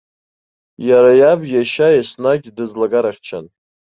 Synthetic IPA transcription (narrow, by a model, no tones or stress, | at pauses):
jaɾajabjaʃajasnaɡʲdɨd͡zlaɡaɾaχʲt͡ʃʰa̰n